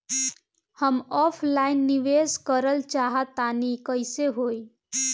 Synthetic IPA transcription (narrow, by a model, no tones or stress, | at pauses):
həmɔːpʰlaːɪnːɪʋeːskəɾəlt͡ʃaːɦat̪aːnikəɪseɦoːi